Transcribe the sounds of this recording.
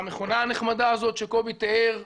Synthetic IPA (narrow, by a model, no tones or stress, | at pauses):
ameχonaaneχmad̪aːzo̞t̪ʃe̞ko̞bit̪eeʁ